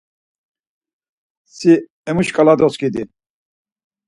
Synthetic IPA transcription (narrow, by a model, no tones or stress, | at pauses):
si | ɛmuʃkʼalad̪ɔskʼid̪i